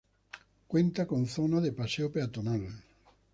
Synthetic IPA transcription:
kwent̪akonθɔnaðepaseopeat̪onal

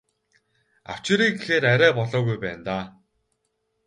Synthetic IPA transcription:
a̰w̥t͡ɕɪ̆ɾiːɡexeːɾæɾʲæːpɔɮɔːɣujpæːnt̪aː

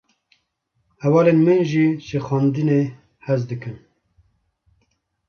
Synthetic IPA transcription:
hɛwɑːleːnmɨnʒiʃexɑːnd̪ɨne | hɛzd̪ɨkɨn

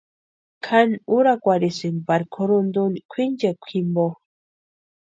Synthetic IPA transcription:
kʰanuɾakʷaɾisinbaɾkʰoɾund̪unkʷʰind͡ʒekʷʰimbo

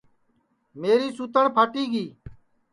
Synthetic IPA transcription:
meːɾiːsuːt̪əɳpʰaːʈiːɡiː

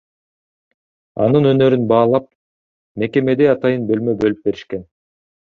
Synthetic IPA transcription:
ɑ̰nɯnønø̞ɾynbɑːlˠɑp̚ | me̞ke̞me̞d̪e̞ɑt̪ɑjɯnbø̞lmøbø̞lyp̚be̞ɾiʃke̞n

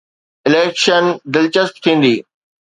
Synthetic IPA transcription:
ɪleːkʃənd̪ɪlt͡ɕəst̪̚t̪ʰĩːn̆d̪iː

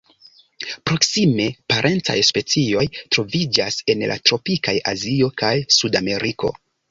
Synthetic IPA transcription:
pɾo̞ksime̞paɾʔe̞nt͡sa̰jspe̞t͡sio̞jtɾo̞vid͡ʒase̞nlʔa̰tɾo̞pikaja̰zio̞kajsudame̞ɾʔiko̞̰

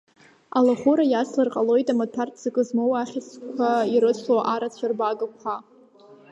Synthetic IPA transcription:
alaχuɾajaslarqʼalo̞jtʼamatʷʰartʰz̥ɨkʼɨzmowaχʲɪt͡skʷʰaiɾɨsʷʰoʔaɾat͡sʷʰarbaɡɨkʷʰa

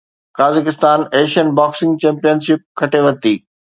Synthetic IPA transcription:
kaːzɪkɪst̪aːneːʃənbaːksɪ̃ŋɡt͡ɕɛ̃ːmpijənsɪp̚kʰɐʈʰeʋɐt̪iː

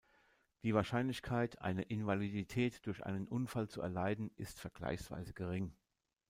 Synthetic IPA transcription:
d̥iːvaːɐʃaɪnlɪçkʰaɪtʰʔa̰ɪnəʔɪnvaliditʰɛːtd̥ʊɐçʔa̰ɪnənʔʊnfalt͡suɛ̰ɐlaɪdn̩ʔɪstfɛɐɡ̥la̰ɪçsv̥a̰ɪzəɡəʁ̞ɪŋ

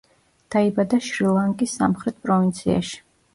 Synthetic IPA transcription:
d̪̥aibad̪aʃɾilˠaŋkʼisːa̰mχɾɛt̪̚ʰpʼɾɔvint̪sʰia̰ʃi̥

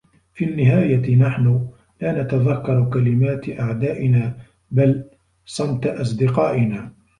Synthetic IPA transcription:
fiːnːɪɦaːjat̪naħnʊ | laːnat̪aðakːɑɾˤkalɪmaːt̪ʔaʕd̪aːʔɪnaː | bal | sˤɑmt̪ʔɑs̬ˤd̪ɪqɑːʔɪnaː

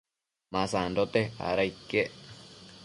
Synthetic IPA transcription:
mãsãnd̪ot̪ea̰ɾaikːeʔ

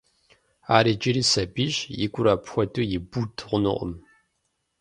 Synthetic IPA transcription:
aːɾiːd͡ʒɪɾiːsɐbiːʒjɪ̰ɡʷʊɾaːpxʷɔdʰʼujɪbutʰʁʷʊnɨ̰ʔʷʼʊ̰m

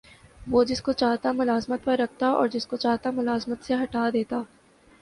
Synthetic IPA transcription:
ʋoːd͡ʒɪskot͡ʃaːɦt̪amʊlaːzmət̪̚pɐɾːɐk̚ʰt̪aɔ̰ːɾd͡ʒɪskot͡ʃaːɦt̪amʊlaːzmət̪seɦɐʈaːd̪eːt̪aː

